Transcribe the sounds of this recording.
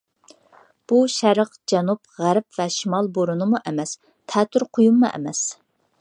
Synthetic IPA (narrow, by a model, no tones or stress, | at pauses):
b̥uʃæɾəqd͡ʒɛnupʁæɾp̚vɛʃimɑlˠboɾunɨmuʔɛmɛs | t̪ʰɛːt̪ʰyɾqʰʊjumːuʔɛ̰mɛs